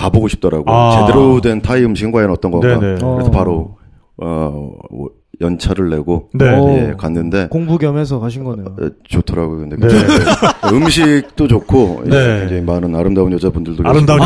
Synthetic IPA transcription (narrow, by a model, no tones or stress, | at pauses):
kaboɡoɕʰi̥p̚t͈ʌɾaɡot͡ɕe̞deɾodwe̞ntʰaiɯmɕʰiɡinŋɡwaenʌt͈ʌnɡʌŋakɯɾesʰopaɾo | ʌ | jʌnt͡ɕʰaɾɯɭːe̞ɡonejekanːɯnde̞koŋbuɡjʌmesʰʌkaɕʰinɡʌnejot͡ɕotʰʌɾaɡookɯndek | ɯmɕʰik̚t͈ot͡ɕokʰojeŋd͡ʑeŋimanɯnaɾɯmdaunjʌd͡ʑabundɯɭdokɾmda